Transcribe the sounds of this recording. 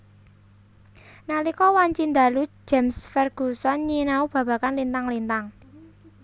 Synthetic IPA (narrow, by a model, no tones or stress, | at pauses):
nalikɔwaɲt͡ʃind̪a̤lu̥d͡ʒ̥a̤msfɛrɡ̥ṳsɔnɲinaub̥ä̤b̥a̤kanlint̪aŋlint̪aŋ